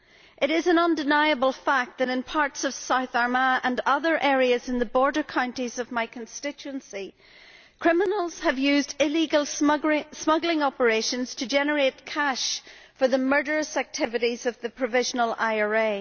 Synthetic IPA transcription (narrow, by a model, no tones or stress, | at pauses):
ʔɪɾɪzə̃nʌ̃ndɪnaɪəbəlˠfak̚t̪̚ðɨɾɪ̃npʰaɹtsʌv̥saʊθaɹməə̃ndʌðə˞ʔɛɹiəzɨ̃nðəbɔɹdə˞kʰãʊ̃ntizʌvmaɪkʰə̃nstɪt͡ʃʉə̃nsi | kʰɹ̥ɪmənəlˠz̥əvjʉzdɪliɡəlˠsmʌɡlˠɪ̃ŋɔpə˞eʃə̃nz̥tʰɨd͡ʒɛnə˞et̚kʰaʃfə˞ðəmɜ˞ɾə˞əsak̚tʰɪvɨɾizʌvðɨpʰɹ̥ɨvɪʒənəlˠaɪə˞e